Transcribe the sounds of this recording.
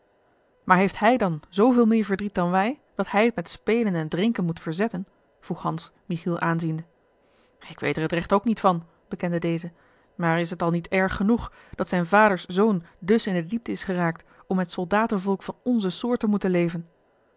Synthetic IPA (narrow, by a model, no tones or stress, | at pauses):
maːɹɦejftɦɛjdɑnzowvɪːlˠmɪːɹvəɹdrit̚dɑnʋɛjd̥ɑtɦɛjətmɛtspejlənɛndrɪŋkənmutfəɹzɛtən | v̥ruχhɑnsmiχilˠʔaːnzində | ɪkʋḛjtdəɹɦətrɛχtowknitfɑn | b̥əkɛndədejzə | maːɹɪs̬ɦətɑlˠnitɛɹχːənuχ | d̥ɑtsɛjnvaːdəɹszowndɵsɪndədip̚təɪsχəraːk̚t | ɔmɦətsɔlˠdaːtənvɔlˠkfɑnɔnzəsʊːɹtəmutənlejvən